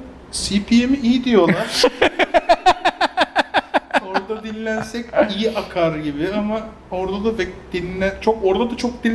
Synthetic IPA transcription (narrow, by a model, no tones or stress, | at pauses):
sipʰijemiijid̪ijo̞lˠaɾ̥ | o̞ɾd̪ad̪inlʲænsɛcijiʔakʰaɾɟibɪama | o̞ɾd̪ad̪avɛd̪̥inlæt͡ʃʰoko̞ɾd̪ad̪at͡ʃʰo̞k̚d̪i